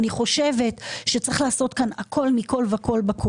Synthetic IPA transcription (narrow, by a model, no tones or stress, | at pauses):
niχo̞ʃeve̞tʃet͡sʁiχlaːso̞t̪kanakʰo̞lmiko̞lveako̞lbakʰo